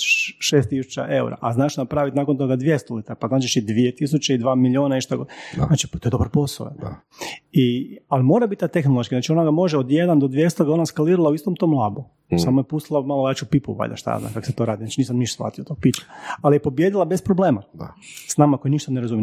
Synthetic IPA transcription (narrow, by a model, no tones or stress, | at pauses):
ʃeːst̪isu̥t͡ʃa̰ʔeṵɾa̰ʔaznaːʃnapɾaːʋit̪naːko̞nt̪̬o̞ɡad̪ʋjest̪olit̪ɾapaznaːt͡ʃiʃid̪ʋiet̪is̬ut͡ɕaid̪ʋaːmiʎioːnaiʃt̪aɡonaːt͡ʃipat̪o̞jed̪o̞bɾpo̞slo̰ḛ | ialimo̞ːɾabit̪t̪at̪exnolˠoʃkiznaːt͡ʃio̞naɡamo̞ʒeod̪jed̪and̪od̪ʋje̞st̪oɡaonaskaliːɾalˠauist̪omt̪omlˠabu | samojepust̪ilˠamalˠojaːt͡ʃupipṵʋa̰ʎʲa̰ʃt̪a̰ja̰zna̰mkako̥set̪o̞ɾaːd̪inat͡ʃiniːs̬amniʃt̪osfla̰ːt̪ijot̪oɡ̚pit͡ʃkaalijepo̞bje̞d̪ilˠabe̞spɾoblˠeːmaa̰snaːmako̞jiniʃt̪aneɾazumi